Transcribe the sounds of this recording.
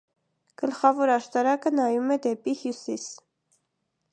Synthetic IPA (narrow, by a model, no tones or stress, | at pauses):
ɡ̥əlχɑvɔɾɑʃt̪ɑɾɑkənɑjumɛd̪ɛpihjusis